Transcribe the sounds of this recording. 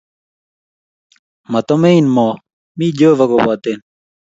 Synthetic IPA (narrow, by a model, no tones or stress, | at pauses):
mɐt̪omeinmoː | miːd͡ʑoːvɐɡobaːt̪en